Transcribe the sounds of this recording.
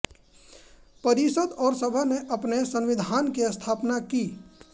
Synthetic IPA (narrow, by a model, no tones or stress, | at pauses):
pəɾisəd̪ɔːɾsəbʱaneʔɐpnesə̃nʋɪd̪ʱaːnkiəst̪ʰaːpnakiː